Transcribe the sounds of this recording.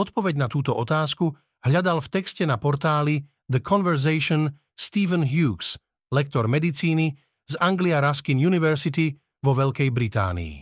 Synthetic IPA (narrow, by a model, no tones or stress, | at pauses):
ɔt̪̚pɔʋɛɟnat̪uːt̪ɔʔɔt̪aːsku | ɦʎad̪alft̪ɛkscɛnapɔɾt̪aːli | d̪əkʰɔnʋɛɾzɛjʃɔn | st̪iːʋənɦjuːks | lɛk̚t̪ɔɾmɛd̪it͡siːni | zaŋɡliaɾaskinjuniʋɛɾsit̪i | ʋɔʋɛʎkɛjbɾit̪a̰ːnḭː